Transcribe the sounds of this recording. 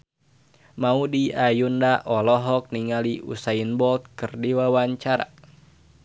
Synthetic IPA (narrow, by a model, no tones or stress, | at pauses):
maudiajundaʔɔlɔɦɔk̚niŋaliʔṵsainbɔlt̪̚kɨrdiwawaɲt͡ʃaɾa̰